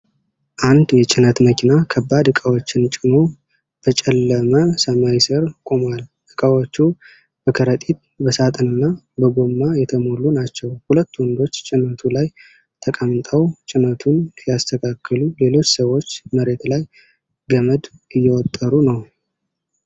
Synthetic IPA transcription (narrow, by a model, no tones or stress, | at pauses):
ʔand̪jɛt͡ʃʼɪnət̪məkʰinakʰəbːad̪ɨkʼawo̞t͡ʃːɪnt͡ʃʼɪno̞ | b̥ət͡ʃʼɛlːəməsəmajsəɾkʼomwalʔɨkʼawot͡ʃːu | bəkʰəɾət̪ʼit̪̚bəsat̪ʼənɨnːa | bəɡo̞mːajɛt̪ʰəmo̞lunat͡ʃːɛwhulət̪ːwənd̪o̞t͡ʃːt͡ʃʼɪnət̪ʰulaj | t̪ʰəkʼəmt̪ʼəwt͡ʃʼɪnət̪ʰunjast̪ʰəkʰakːəlule̞lo̞t͡ʃːsəwo̞t͡ʃːməɾe̞t̪laj | ɡəməd̪ɨjːɛwɔt̪ʼːəɾunəw